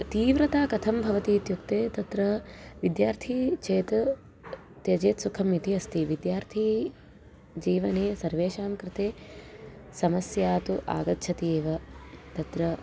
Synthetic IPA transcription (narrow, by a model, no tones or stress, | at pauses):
t̪iːʋɾɐt̪aːkɐt̪ʰɐmbʱɐʋɐt̪iːt̪jukt̪eːt̪ɐt̪ɾɐʋid̪jaːɾt̪ʰiːt͡ʃʰeːt̪ɐ | t̪jɐd͡ʒeːt̪sukʰɐmit̪iɐst̪iʋid̪jaːɾt̪ʰiː | d͡ʒiːʋɐneːsɐɾʋeːʃaːmkɾɪt̪eː | sɐmɐsjaːt̪uʔa̰ːɡɐt̪ːʃʰɐt̪iːʋɐt̪ɐt̪ɾɐ